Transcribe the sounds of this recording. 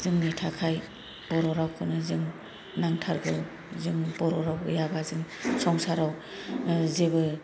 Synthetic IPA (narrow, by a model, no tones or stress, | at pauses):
zɯŋnitʰakʰaj | bɔɾɔɾawkʰɯnɯzɯŋ | naŋtʰaɾɡɯw | zɯŋbɔɾɔɾawɯjabazɯŋsɔŋsaɾaw | zebɯ